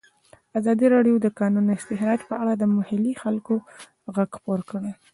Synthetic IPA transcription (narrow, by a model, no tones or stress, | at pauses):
azɑd̪iɾɑɖjod̪əkɑnunɪst̪ɪxɾɑd͡ʒpəaɽad̪əmʊhɪlixalko | ɣaɡxpoɾkəɽe